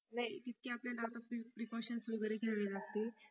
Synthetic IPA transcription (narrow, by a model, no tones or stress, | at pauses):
nait̪it̪̚keapljaɖat̪apipɾikɔɕənsʋəɡɾekelaʋelaɡt̪e